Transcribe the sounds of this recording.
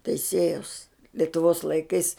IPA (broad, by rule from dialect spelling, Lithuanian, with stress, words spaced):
tʲɛɪˈsʲeːjɛʊs lʲɛtʊˈʋoːs lˠɐɪˈkɐɪs